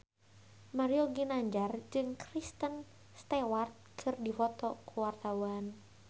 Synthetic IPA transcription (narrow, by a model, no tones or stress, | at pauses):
maɾiɔɡinaɲd͡ʒard͡ʒɨŋkɾist̪ən | st̪ɛwart̪̚kʰɨrdifɔt̪ɔkuwart̪auan